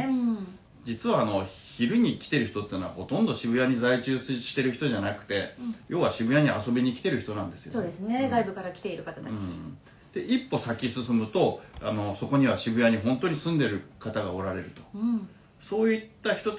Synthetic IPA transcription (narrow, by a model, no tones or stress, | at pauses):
d͡ʑit͡sɨβaːno̞çiɾɯ̟ɲ̟ikʲi̥t̪e̞ɾɯ̟çi̥t̪o̞t̪ːeːnoβa̰ho̞t̪õnd̪o̞ɕibɯ̟jaɲ̟izait͡ɕɨːsɕi̥t̪e̞ɾɯ̟çi̥t̪o̞ʑanakɯ̟̥t̪e̞jʔo̞ːβaɕibɯ̟jaɲ̟iʔaso̞bʲiɲ̟ikʲi̥t̪e̞ɾɯ̟çi̥t̪o̞nãnd̪e̞sɨjosoːd̪esɨneɡaibɯ̟kaɾakʲi̥t̪e̞iɾɯ̟kat̪at̪at͡ɕi | d̪̥e̞ʔipːo̞sakʲisɨsɨmɯ̟t̪o̞ano̞so̞ko̞ɲ̟iβ̞aɕibɯ̟jaɲ̟iɦõ̞nt̪o̞ɲ̟isɨ̃nd̪e̞ɾɯ̟kat̪aɡao̞ɾaɾe̞ɾɯ̟t̪o̞ | so̞ːit̪ːaçi̥t̪o̞t